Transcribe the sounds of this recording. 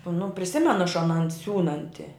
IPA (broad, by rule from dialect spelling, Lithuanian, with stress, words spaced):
nʊ pʲrʲɪˈsʲɪmʲɛnʊ ɐʃ ɐˈnɐn ˈsʲuːnɐnʲtʲɪ